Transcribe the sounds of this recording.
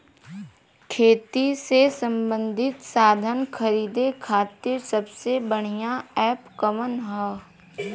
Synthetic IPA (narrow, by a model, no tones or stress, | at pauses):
kʰeːt̪isesə̃mbə̃nd̪ʱɪt̪saːd̪ʱənkʰəɾiːd̪ekʰaːt̪ɪɾsəbsebəɽ̤̃ijaɛːpkəʋənɦɛː